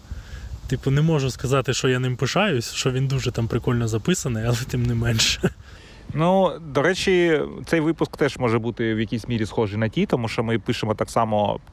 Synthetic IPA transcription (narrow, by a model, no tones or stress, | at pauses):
t̪ipʊnemɔʒʊskɐzɑt̪ɪʃt͡ʃɔjanɪmpɪʃɑjʊsʲʃt͡ʃɔʋʲind̪uʒɛt̪ɑmpɾɪkɔlʲnɔzɐpɪsɐnɪjɐlˠɛt̪ɪmnɛmɛnʲʃɛ̥ | nud̪ɔɾɛt͡ʃit̪sɛjʋɪpʊskt̪ɛʒmɔʒɛbut̪ɪwjɐkʲisʲmʲiɾʲisxɔʒɪjnɐtʲit̪ɔmuʃt͡ʃɔmɪpɪʃɪmɔt̪aksɑmɔ̰